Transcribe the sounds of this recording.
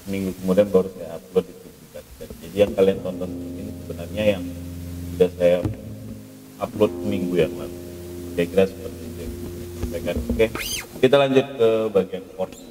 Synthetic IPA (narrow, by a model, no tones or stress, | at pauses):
miŋɡukəmudianbaɾusaaap̚lʊt̪̚dit̪ud͡ʒukankand͡ʒadijaŋkaliaŋt̪ɔnt̪ɔnt̪əkɪnsəbənarɲajaŋsudahsaja | aplot̪̚əmiŋɡujaŋla̰luɡaɡɾasəpərt̪idakiaasapakankɛkit̪alaɲd͡ʒʊt̪̚kəbaɡiankɔrs